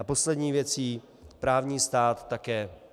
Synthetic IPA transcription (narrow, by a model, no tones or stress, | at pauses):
apo̞slɛd̪ɲiːvjɛt͡siː | pɾaːvɲiːst̪aːt̪ːakɛː